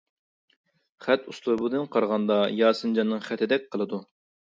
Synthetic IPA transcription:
χæt̪uslˠuɾbud̪ɨnqʰɑɾʁɑnd̪ɑjɑːsɨnd͡ʒɑnːɨŋχɛt̪ʰɪd̪ɛk̚ʲqʰəlˠɨd̪u

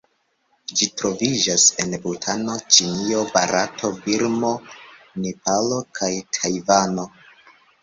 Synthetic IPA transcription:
d͡ʒitɾo̞vid͡ʒase̞nbɾutʰano̞t͡ʃinio̞ba̰ɾatʰo̞biɾmo̞nepalo̞kʰajtʰajvano̞

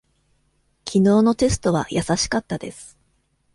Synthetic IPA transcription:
kʲʰino̞ːno̞t̪e̞sɨ̥t̪o̞β̞a̰jʔasaɕi̥kat̪ːad̪e̞sɨ̥

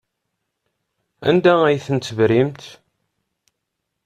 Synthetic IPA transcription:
æ̰nd̪ææjθənt͡s̪ːəvɾimt̪

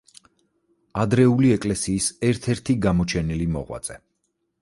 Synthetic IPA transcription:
ad̪ɾɛuliɛkʼlɛsiːsɛɾt̪ʰɛɾt̪ʰiɡamɔt͡ʃʰɛnilimɔ̰ʁwa̰t̪sʼɛ

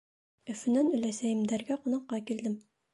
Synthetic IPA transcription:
ɵ̆fɘ̆nænɵ̆læsæjɘ̆md̪æɾɡæqŏnɑqːɑkild̪ɘm

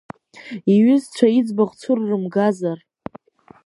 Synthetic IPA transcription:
iɥʏzt͡ɕʷʰaid͡zbaχʷt͡sʷʰʊrːɨmɡazar

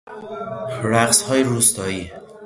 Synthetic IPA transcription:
ɾæɣshɒːjeɾuːst̪ɒːjiː

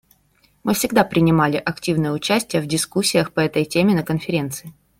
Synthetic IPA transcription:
mɨfsʲɪɡd̪apɾʲɪnʲɪmalʲɪʔɐktʲivnɨjəʊt͡ɕæsʲtʲɪjəvdʲɪskusʲːɪjəxpəɛt̪əjtʲemʲɪnəkənfʲɪɾʲe̞nt̪sɨ̥ɪ

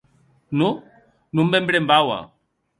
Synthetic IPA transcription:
nu | numbɛmbiɺɛmbawa̰

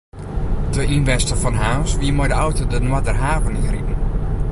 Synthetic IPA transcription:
təinʋɛstəfɔnɦaːsʋiəmɔjdəɔwtʰodənwadərɦaːvənɪritn̩

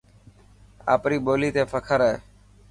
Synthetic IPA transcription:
a̰ːpɾiːɓoːliːt̪eːpʰəkʰəɾeː

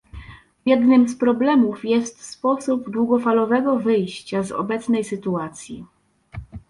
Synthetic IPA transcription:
vʲjɛd̪nɘmspɾɔblɛmufjɛst̪spɔsubd̪wuɡɔfalɔvɛɡɔvɘjɕt͡ɕazɔ̰bɛt̪snɛjsɘt̪uat̪sʲjḭ

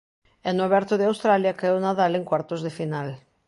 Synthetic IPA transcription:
enuaβɛɾt̪oðeawst̪ɾaljakaewnaðaleŋkwaɾt̪ozðefinal

